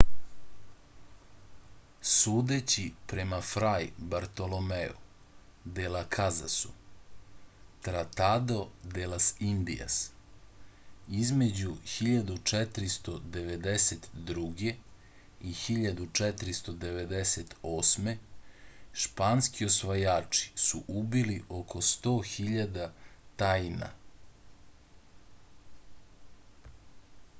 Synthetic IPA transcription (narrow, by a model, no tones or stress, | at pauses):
suːd̪et͡ɕipɾe̞mafɾajbaɾt̪o̞lomeṵ | d̪elakʰaza̰su̥ | t̪ɾat̪ad̪o̞d̪elasind̪ḭja̰s | izme̞d͡ʑuxiʎad̪ut͡ʃet̪ɾist̪o̞d̪e̞ʋe̞d̪eset̪d̪ɾuɡe | ixiʎad̪ut͡ʃɛt̪ɾist̪od̪e̞ʋe̞d̪eset̪oːsme̞ | ʃpanskio̞sʋajaːt͡ʂi̥suʔubiliʔokʰo̞st̪o̞ːxiʎad̪at̪ajna̰